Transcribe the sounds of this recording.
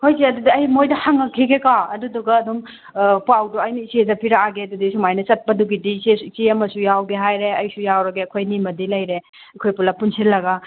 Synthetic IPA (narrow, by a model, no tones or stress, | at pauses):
kʰojseɐdudiɐjmojdɐhaŋɐkʰiɡekaɐduduɡɐːdum | pawduɐjniisezɐpʰiɾaaɡeɐdudisumajnɐt͡ʃɐt̚pɐduɡidisesiɐmɐsujawɡeɦajɾeɐjsujawɾɐɡeɐkʰojnimɐdilɐjɾe | ɐkʰojpulɐpunsilːɐɡɐ